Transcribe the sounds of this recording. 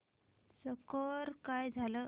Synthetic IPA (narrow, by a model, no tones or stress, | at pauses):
səkɔɾkajd͡zʱalə